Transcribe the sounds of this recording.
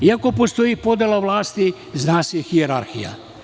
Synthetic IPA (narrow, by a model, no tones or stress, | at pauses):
iakopost̪oipod̪elaʋlaːst̪i | znaːsixieɾaɾxija̰